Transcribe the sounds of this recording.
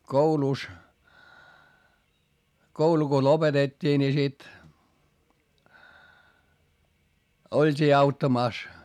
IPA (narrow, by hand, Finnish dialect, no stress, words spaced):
kouluˑs koulu ko lopetetʲːiː ni sit oltʲiː ɑutːɑmɑˑs